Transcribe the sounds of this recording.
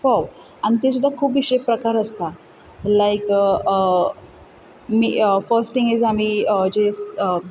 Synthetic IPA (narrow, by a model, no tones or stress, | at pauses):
fɔʋ | anit̪̬es̬ud̪ʱːakʰuːp̬iɕepɾəkaɾəst̪a | lajk | mḭːəfəɾsʈĩŋɡizamiːəd͡ʑesə